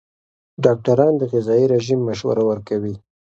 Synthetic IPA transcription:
ɖɑk̚ʈaɾɑnd̪əɣɪzɑiɾeʒimːaʃwa̰ɾawəɾkawi

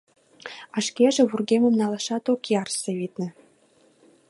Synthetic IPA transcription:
ɑʃkeʒĕβurɣemə̆mnɑlɑʃɑt̪okijɑrseβit̪̚nĕ

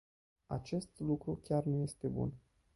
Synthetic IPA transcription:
a̰t͡ʃe̞st̪lukɾukʲarnuje̞st̪e̞bṵn

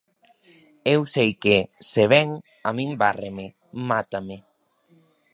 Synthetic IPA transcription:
ewsejkeseβɛŋ | amĩmbaremɪ | mat̪amɪ

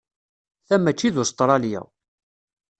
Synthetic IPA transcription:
θæmːæt͡ʃːiðʊst̪ˤɾˤɑljæ̰

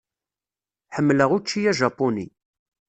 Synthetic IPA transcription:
ħəmːləʁut͡ʃːijæʒɑpːonḭ

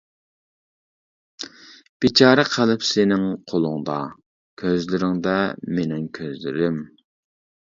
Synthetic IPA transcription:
b̥it͡ʃʰɑːɾɛqʰəlˠɪpsenɪŋqʰolˠʊŋd̪ɑ | kʲʰøzlɪɾɪŋd̪ɛmenɪŋkʲʰøzlɪɾym

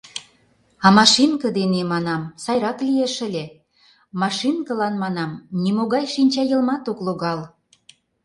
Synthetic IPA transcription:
ɑmɑʃinkə̆d̪enemɑnɑmsɑjɾɑklieʃə̆lʲe | mɑʃinkə̆lɑnmɑnɑmnimoɣɑjʃinʲt͡ɕɑjə̆lmɑt̪okloɣɑl

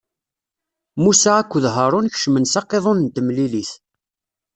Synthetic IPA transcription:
musaækʷːəðɦəɾˤʊnç̥ʃmənsɑqːeðˤonnt̪əmliliθ

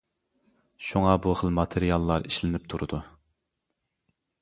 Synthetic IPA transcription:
ʃuŋɑbuχəlˠmɑt̪ʰeɾijɑlˠːɑɾiʃlɪnɪp̚t̪ʰuɾud̪u

